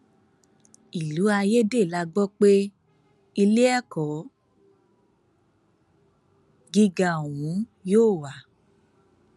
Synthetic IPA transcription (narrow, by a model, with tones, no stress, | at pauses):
i˨lu˨˦a˧je˦de˦˨la˧ɡ͡bɔ˦k͡pe˦ | i˧le˦ɛ˦˨kɔ˨˦ | ɡi˧ɡa˨o˨w̃ũ˨˦joː˦˨wa˨